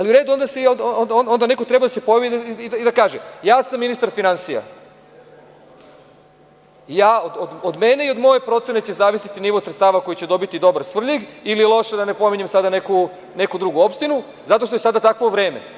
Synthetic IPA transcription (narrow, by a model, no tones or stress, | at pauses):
aliuɾed̪uo̞nd̪aseonondono̞nd̪ane̞ko̞t̪ɾe̞bad̪asepo̞jaʋid̪iid̪akaːʒejaːsamːinist̪aɾfinansija̰ | jaːod̪od̪od̪me̞ne̞iod̪moje̞pɾo̞t̪sene̞t͡ɕezaːʋisit̪iniʋo̞sɾet̪st̪aːʋako̞jit͡ɕe̞d̪o̞bit̪id̪o̞baɾsʋr̩ʎiɡililˠo̞ʃed̪ane̞po̞miɲemsad̪ane̞ku | ne̞kud̪ɾuɡuo̞pʃt̪inu | zat̪o̞ʃt̪ojesad̪at̪akʋo̞ʋɾe̞ːmḛ